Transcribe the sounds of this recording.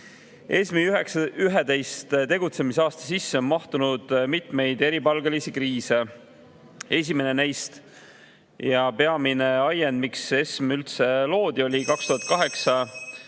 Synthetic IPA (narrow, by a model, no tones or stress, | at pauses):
ʔesmiyɦeksyɦed̪e̞jst̪t̪e̞ɡut̪se̞misɑːst̪ɑ̥sisːeo̞nmɑht̪unud̪̥mit̪me̞jd̪e̞ɾipɑlɡelisikriːse̞ | e̞s̬ʲime̞nenæjst̪ | jɑpe̞ɑmine̞ɑjend̪mikse̞smylt̪se̞lo̞ːd̪̥io̞lʲikɑkst̪uɦɑt̪̚kɑɦe̞ksɑ